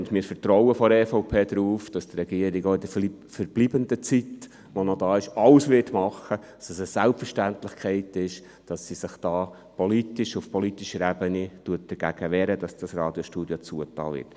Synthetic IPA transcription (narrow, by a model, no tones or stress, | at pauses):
ʊndmɪːɾfəɾtɾɔʊəfɔɾɛːfoʊpʰeːd̪ɾuːfd̥ɑstrɛɡ̥iəɾɪɡoɪd̥ə | fəɾb̥liːbənd̪ət͡sit | ʋɔnɔdɑːɪʃɑlsʋɪtmɑχə̥ɑsəsəsælpfərʃtænt̪lɪχkχɛɪtɪʃ | d̥ɑsːisɪχd̥ɑː | pɔlitɪʃʊfpɔlit̪iʃəɾæbənituət̚d̥əɾɡ̥æɡ̥əʋɛːɾəd̥ɑsd̥ɑsrɑːd̥jɔʃtuːd̥jot͡suətɑ̰ːlʋɪ̰ɾt